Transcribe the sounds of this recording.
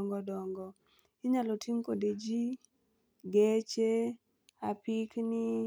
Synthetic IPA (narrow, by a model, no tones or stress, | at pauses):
ŋɡɔdɔŋɡɔ | ɪɲalɔtiŋkoded͡ʒi | ɡet͡ʃe | apiknɪ